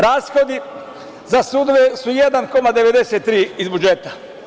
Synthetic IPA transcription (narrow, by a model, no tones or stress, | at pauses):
ɾaːsxo̞d̪i | zasud̪ʋesujed̪anko̞mad̪e̞ʋed̪eset̪ːɾiːizbud͡ʒet̪a